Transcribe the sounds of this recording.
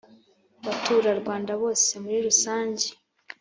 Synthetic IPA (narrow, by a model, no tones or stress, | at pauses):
βatuːɾaɾɡwaːndaβo̞ːse̞muɾiɾusaːɲɟe